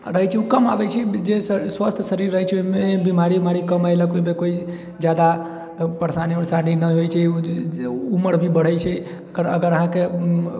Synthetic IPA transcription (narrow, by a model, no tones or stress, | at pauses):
ɾəɦɛjt͡ʃʰɛukəmabɛt͡ʃʰid͡ʒesəswəst̪ʰsəɾiɾːəɦjt͡ʃʰoimebimaɾiimaɾikəmajləkoimekoi | d͡ʒjad̪a | pəɾsaniɔɾsaninəɦojt͡ʃʰɛ | uməɾbʱibəɽ̤əjt͡ʃʰɛ | əɡəɾə̰ɡəɾəɦãke